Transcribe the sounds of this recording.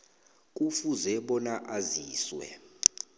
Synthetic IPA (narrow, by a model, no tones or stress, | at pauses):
kʼufuzɛɓɔnaʔaziːswɛ̰